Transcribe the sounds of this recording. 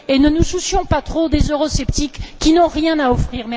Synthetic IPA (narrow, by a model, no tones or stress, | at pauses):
enənususjɔ̃pat̪χod̪ezøʁɔsɛpt̪ikːinɔ̃ʁjɛ̃naɔfχiːʁmɛ